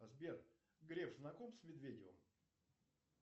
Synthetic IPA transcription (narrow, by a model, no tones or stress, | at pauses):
ɐzbʲer | ɡɾʲefznɐkomsʲmʲɪd̪vʲedʲɪvə̰m